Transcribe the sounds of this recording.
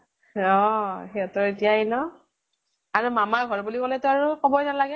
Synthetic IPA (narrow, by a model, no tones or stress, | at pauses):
ɔxeɔtɔɹetijainɔ | aɹumamaɹɡʱɔɹbulikɔlɛtʊaɹukɔbɔjnalaɡɛ